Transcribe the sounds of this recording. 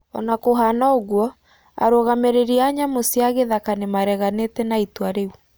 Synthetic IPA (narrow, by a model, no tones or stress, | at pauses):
ɔnakoɦanaoɣwɔ | a̰ɾoɣameɾeɾiaɲamosiaɣeðakanemaɾɛɣanetɛnaitwaɾeu